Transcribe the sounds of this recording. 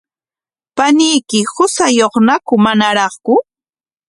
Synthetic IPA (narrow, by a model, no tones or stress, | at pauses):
panɪjkɪhʊsajoχnakʊmanaɾɑχkʊ